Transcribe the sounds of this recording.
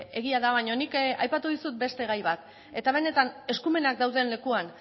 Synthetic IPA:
e̞ɣiaðaβaɲo̞nikajpat̪uðisut̪̚be̞st̪e̞ɣ̞ajβat̪ | e̞t̪aβ̞e̞ne̞t̪ane̞skume̞nakd̪awðenle̞kuan

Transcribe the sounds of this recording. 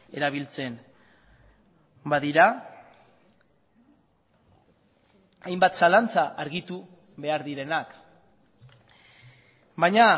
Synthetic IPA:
e̞ɾaβ̞ilt͡se̞n | baðiɾa | ajmbat̪salant͡saʔaɾɣit̪u | βe̞aɾðiɾe̞nak | bajɲa

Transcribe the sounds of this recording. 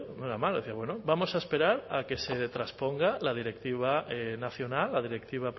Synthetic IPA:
noeɾamalðeθiaβwenobamo̞saespe̞ɾaɾake̞se̞t̪ɾaspo̞ŋɡalað̞iɾe̞k̚t̪iβ̞aenaθjo̞nalːaðiɾekt̪iβ̞a

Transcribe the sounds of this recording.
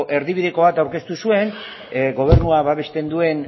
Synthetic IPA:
ʔe̞ɾðiβ̞iðe̞ko̞β̞at̪awɾke̞st̪usue̞n | ɡo̞β̞e̞ɾnuaβaβe̞st̪e̞nd̪ue̞n

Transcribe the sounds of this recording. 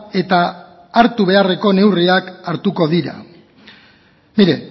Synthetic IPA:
e̞t̪aː | ɾt̪uβ̞e̞are̞ko̞ne̞wriakaɾt̪uko̞ðiɾa̰ | miɾe̞

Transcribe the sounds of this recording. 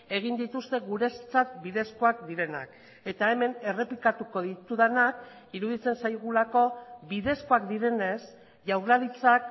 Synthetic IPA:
e̞ɣ̞ind̪it̪ust̪e̞ɣuɾe̞st͡sat̪biðe̞sko̞akd̪iɾe̞na̰k | e̞t̪ae̞me̞ne̞re̞plikat̪uko̞ðit̪uðanak | iɾuðit͡se̞nsajɣ̞ulako̞biðe̞sko̞akd̪iɾe̞ne̞s | ʝawɾlalit͡sak̚

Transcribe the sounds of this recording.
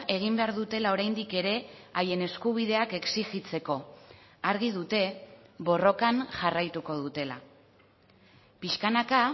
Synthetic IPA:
e̞ɣ̞imbe̞aɾðut̪e̞lao̞ɾajnd̪ike̞ɾe̞aje̞ne̞skuβ̞ið̞e̞ake̞ksixit͡se̞ko̞aɾɣ̞ið̞ut̪e̞βo̞ro̞kanʝarajt̪uko̞ð̞ut̪e̞la̰ | piʃkanaka

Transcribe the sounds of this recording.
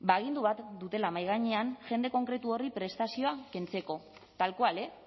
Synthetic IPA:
baeɣ̞ind̪uβat̪d̪ut̪e̞lamajɣ̞aɲeanʝe̞nd̪e̞ko̞ŋkɾe̞t̪uo̞ripɾe̞st̪asio̞ake̞nt͡se̞ko̞ | t̪alkoale̞

